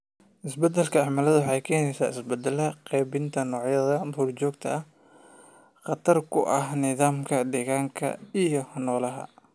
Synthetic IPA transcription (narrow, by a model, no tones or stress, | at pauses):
ʔɪsbɐd̪ɛlkʰɐɑʕmalɐðʊwɑħɑjkʰɛːnɛjsaːɪsbɛd̪ɛlɐqɛːbɪnt̪ʰɐnɔːʕjɐðɐmhuːlt͡ʃɔːɡt̪ʰɐɐh | qɑt̪ʰɐrkʰʊ̰ʔɐɦnɪðaːmkʰɐd̪ɛːɣaːŋkʰɐ̰ijɞhnɔːlɐɦɐ̰